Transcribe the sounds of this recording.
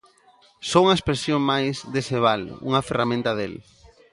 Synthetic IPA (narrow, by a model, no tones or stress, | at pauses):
souŋɐespɾesjoŋmajzðeseβalṵŋɐferamẽnt̪ɐðḛl